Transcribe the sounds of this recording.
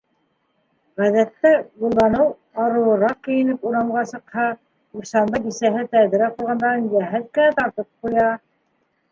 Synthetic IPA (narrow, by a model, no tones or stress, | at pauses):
ʁæðæt̪ːæbulˠːɑnɤw | ɑɾɤ̆lˠɤ̆ɾɑq̚kɘ̆jɘ̆nɘpuɾɑmɢɑsɤ̆qhɑ | uɾsɑmbɤd̪isæɦɘt̪æðɘ̆ɾæquɾˠʁɑnd̪ɑɾɤnjæɦæðkɘ̆næt̪ɑɾt̪ɤp̚qujɑ